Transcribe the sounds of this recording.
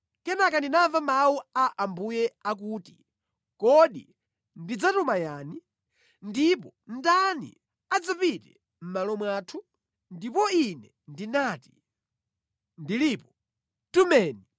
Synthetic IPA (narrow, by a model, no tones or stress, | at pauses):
kɛnakandinaɱvamawuaʔambujɛak̬uːti | kɔɗḭ | ndid͡zatɔmajaːni | ndipɔn̩danḭ | ad͡zapitɛ̰ | m̩malɔmwaːtʰu | ndipɔinɛ | ndinaːti̥ | ndiliːpɔ̥ | tumɛːni